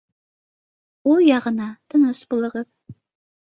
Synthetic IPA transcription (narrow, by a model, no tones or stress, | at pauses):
ulˠjɑʁɤ̆nɑt̪ɤ̆nɤsbulˠɤ̆ʁɤð